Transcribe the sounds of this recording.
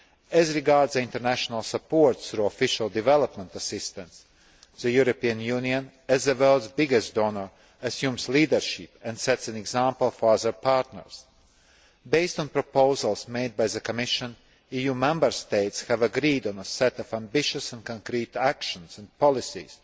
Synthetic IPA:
æzɾiɡɑɾdzĩnt̪əɾnæʃɔnalˠsəpoɾt̪sθɾuɔfɪʃalˠd̪ɪvɛlˠəpmɛ̃nt̪asɪst̪ə̃ns | ðəjuɾopiə̃njuːniə̃n | æzðəvɛlˠdzbɪɡɛstd̪onəɹ | ɐsjũːmsliːd̪əɾʃipɛ̃nd̪sɛtsæ̃nɛɡzãmpəlˠfɔɹazə˞pɑɾt̪nə̰ɹs | beɪst̪ɔ̃npɾɔpoʊzalˠsmeɪd̪̚bajðəkɔmɪʃə̃n | ijuːmɛ̃mbəɾst̪eɪt̪shævəɡɾiːd̪ɔ̃nəsɛt̪ɔfæ̃mbɪʃəsæ̃nkɔ̃nkɾiːt̪ækʃə̃nsæ̃npɔlˠɪsḭz̥

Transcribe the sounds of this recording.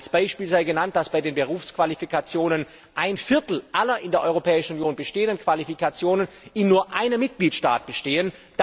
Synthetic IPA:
sb̥aɪʃpiːlzaɪɡənant̚d̥asb̥aɪdeːnbəʁ̞uːfskv̥alifikat͡sjoːnən | ʔaɪnfɪɐtl̩ʔalɐʔɪndeːɐʔɔʏʁopʰɛːɪʃn̩unjoːnbəʃteːəndənkv̥alifikat͡sjoːnən | ʔɪnːuːɐʔaɪnəmːɪt̚ɡ̥liːtʃta̰ːt̚b̥əʃteːən | d̥

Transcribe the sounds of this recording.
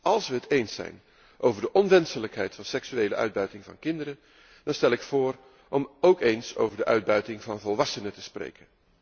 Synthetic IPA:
ɑlˠsʋəɦətejnsɛ̰jn | ʔowvəɹdəʔɔnʋɛnsələkɦɛjtfɑnsɛksyejləʔœ̰ɥd̚bœɥtɪŋvɑ̰nkɪndəɾən | d̥ɑnstɛlɪkfʊːr | ʔɔmowkejnso̰wvəɹdəʔœɥd̚bœɥtɪŋvɑnvɔlˠʋɑsənətəsprḛjkən

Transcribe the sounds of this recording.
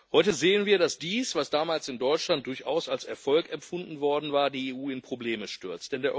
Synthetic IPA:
hɔʏtəzeːənviːɐdasd̥iːsv̥asd̥aːmaːlsɪndɔʏt͡ʃlant̚d̥ʊɐçʔa̰ʊsalsɛɐfɔlkɛfʊndn̩vɔɐdn̩vaːɐdiːeːʔuːɪnpʁ̥obleːməʃtʏɐt͡std̥ɛndeɐʔ

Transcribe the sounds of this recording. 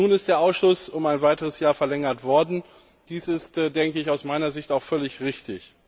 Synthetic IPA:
nuːnɪstd̥eːɐʔaʊsʃʊsʊmaɪnvaɪtəʁəsjaːɐfɛɐlɛŋɐtv̥ɔɐdn̩ | d̥iːsɪstːdɛŋkəɪçaʊsmaɪnɐzɪçtaʊxfœlɪçʁɪçtɪ̰ç

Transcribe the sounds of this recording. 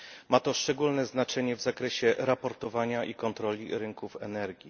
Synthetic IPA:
mat̪ɔʂt͡ʂɛɡulnɛznat͡ʂɛɲɛvzakɾɛɕɛɾapɔɾt̪ɔvaɲaʔikɔnt̪ɾɔlʲiɾɘŋkufɛnɛɾɡʲi

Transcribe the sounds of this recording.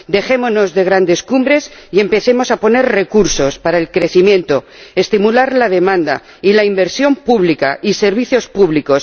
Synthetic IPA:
d̪e̞xe̞mono̞zðe̞ɣ̞ɾand̪e̞skumbɾe̞sie̞mpe̞θe̞mo̞sapo̞ne̞ɾre̞kuɾso̞spaɾaelkɾe̞θimjẽ̞nt̪o̞ | e̞st̪imulaɾlað̞e̞mãnd̪a̰ | ilaimbe̞ɾsjo̞mpuβlikaise̞ɾβ̞iθjo̞spuβliko̞s

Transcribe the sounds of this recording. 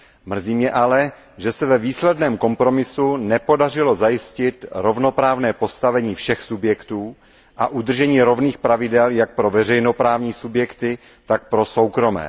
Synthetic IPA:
mr̩ziːmɲɛʔalɛ | ʒɛsɛvɛviːslɛdnɛːmko̞mpɾo̞mɪsunɛpo̞dar̝ɪlo̞zajɪscɪt̪ɾo̞vno̞pɾaːvnɛːpo̞st̪avɛɲiːfʃɛxsubjɛkt̪uː | ʔa̰ʔud̪r̩ʒɛɲiːɾo̞vniːxpɾavɪdɛljak̚pɾo̞vɛr̝ɛjno̞pɾaːvɲiːsubjɛkt̪ɪ | t̪ak̚pɾo̞sowkɾo̞mɛ̰ː

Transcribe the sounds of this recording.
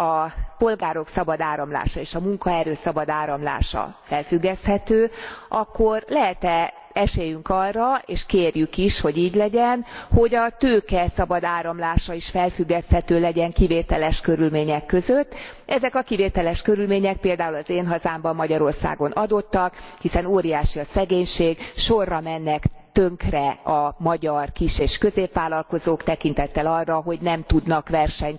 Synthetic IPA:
ɒpo̞lɡaːɾo̞ksɒbɒd̪aːɾɒmla̰ːʃɒeːʃɒmuŋkɒɛɾøːsɒbɒd̪aːɾɒmla̰ːʃɒ̰fɛlfyɡːɛst̪hɛt̪øːʔɒkːo̞rlɛɦɛt̪ɛ | ɛʃeːjyŋkɒrːɒeːʃkeːrjykiʃho̞ɟiːɟlɛɟɛnho̞ɟɒt̪øːkɛsɒbɒd̪aːɾɒmlaːʃɒiʃfɛlfyɡːɛst̪hɛt̪øːlɛɟɛŋkiveːt̪ɛlɛʃkø̞ɾylmeːɲɛkːø̞zøt̪ː | ʔɛzɛkɒkiveːt̪ɛlɛʃkø̞ɾylmeːɲɛk̚peːld̪aːulɒzeːnɦɒzaːmbɒmːɒɟɒɾo̞rsa̰ːɡo̞nʔɒd̪o̞t̪ːɒkhisɛnoːɾijaːʃiɒsɛɡeːɲʃeːɡʃo̞rːɒmɛnːɛkt̪øŋkrɛɒmɒɟɒrkiʃeːʃkø̞zeːpʋaːlɒlko̞zoːkt̪ɛkint̪ɛt̪ːɛlɒrːɒɦo̞ɟnɛmt̪ud̪nɒkʋɛrʃɛɲ

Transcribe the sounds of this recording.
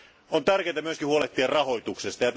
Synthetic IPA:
ont̪ærkeːt̪æmyøskihuoleht̪ːiɑrrɑho̞jt̪uksest̪ɑjɑt̪

